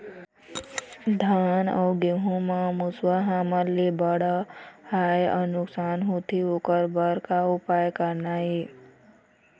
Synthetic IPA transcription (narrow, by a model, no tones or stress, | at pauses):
d̪ʱaːnɔ̰ːɡeɦũmãmʊswəɦaːməllːebəɽəhajə̰nʊksaːnɦot̪ʰioːkəɾbəɾkaupaːjkəɾnaɦe